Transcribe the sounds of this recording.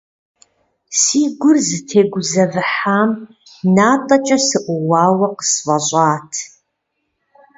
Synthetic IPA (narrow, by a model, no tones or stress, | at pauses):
siːɡʷʊrzɨtʰeːɡʷʊzɐvɨħaːm | naːtʼɐt͡ʃʼɐsɨʔʷʊwɑːwɐqə̥svɐɕʷʼaːtʰ